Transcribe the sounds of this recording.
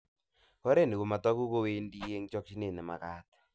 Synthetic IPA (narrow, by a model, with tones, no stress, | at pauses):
kɔ˦ɾe˦˨ni˨ɣo˨ma˨tɔ˦ku˦ko˦we˦ndi˦e˦ŋt͡ʃɔ˦kʃi˦ne˨nɛ˨ma̰˨kaː˦tḁ˨